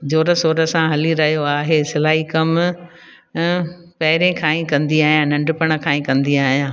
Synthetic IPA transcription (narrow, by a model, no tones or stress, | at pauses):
d͡ʑoːɾəsoːɾə̆sãɦɐliɾɐɦijoaːɦeːsɪlaːɦikɐm | pɐɦɪɾẽkʰãːĩkɐ̃nd̪iaːɦijãnɐ̃ɳɖɪpəɽ̃ə̆kʰãːĩkɐ̃nd̪iaːɦijãː